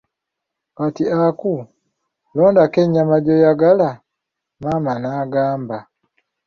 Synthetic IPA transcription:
katiaku | loːndakeɲamaɟojaɡala | mamanaɡaːmba

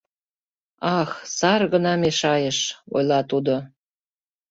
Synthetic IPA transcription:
ɑxsɑrɣənɑmeʃɑjəʃo̰jlɑt̪ud̪o

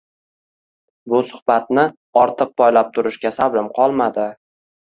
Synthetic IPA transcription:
bʊsʊ̥hbat̪̚nɪ | ɒɾt̪ʰɨq̚pʰɒjlap̚t̪ʰʊɾɪʃkʲasabɾɪmqʰɒlˠmad̪ɪ

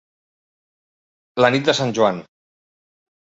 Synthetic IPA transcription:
lənit̪̚d̪əsanʲʒuan

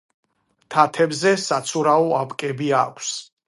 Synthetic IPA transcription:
t̪ʰat̪ʰɛbzɛsat̪sʰuɾaɔapʼkʼɛbiakʷʰs

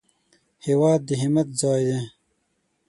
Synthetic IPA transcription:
hewaːd̪ːiɦimɐt̪̚zɑːjd̪eː

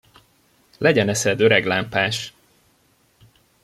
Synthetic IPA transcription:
lɛɟɛnɛsɛd̪øɾɛɡlaːmpaːʃ

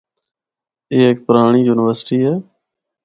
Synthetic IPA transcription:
eːeːk̚pəɾaːɳ̃iːjuːnɪʋəɾsʈiːɦɛː

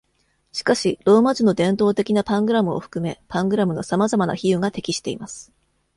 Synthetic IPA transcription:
ɕi̥kaɕiɾo̞ːmat͡ɕino̞d̪ẽ̞nt̪o̞ːt̪e̞kʲinapãŋɡɯ̟ɾamɯ̟oɸɯ̥kɯ̟me̞pãŋɡɯ̟ɾamɯ̟nosamazamana̰çijɯ̟ŋat̪e̞kʲiɕi̥t̪e̞imasɨ̥

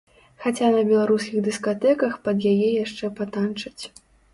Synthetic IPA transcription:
xat͡sʲanɐbʲɛlˠaɾuskʲiɣd̪ɨskat̪ɛkɐxpɐd̪jajɛjaʂt͡ʂɛpat̪ant͡ʂɐt͡sʲ

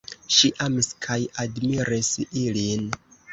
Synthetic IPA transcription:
ʃiʔamiskʰajadmiɾisilin

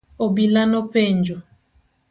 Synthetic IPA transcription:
obilanopend͡ʒo

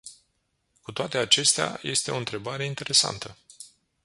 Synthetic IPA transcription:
kut̪oat̪e̞at͡ʃe̞st̪ea̰je̞st̪e̞o̞ɨnt̪ɾe̞baɾe̞int̪e̞ɾe̞sa̰nt̪ə

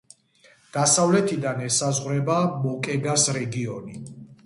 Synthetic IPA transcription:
d̪̥asavlɛt̪ʰid̪anɛsazʁɾɛbamɔkʼɛɡasɾɛɡiɔni

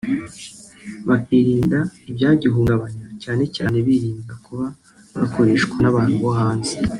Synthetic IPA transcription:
βakiːɾiːndaibɟaːɟiɦuːŋɡaβaɲacaːne̞caːneβiɾiːndakuβa | βako̞ɾe̞ʃkwanaβaːn̥huβoɦaːnze̥

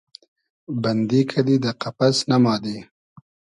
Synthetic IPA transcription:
band̪ikʰad̪id̪əqapasnamɑːd̪e

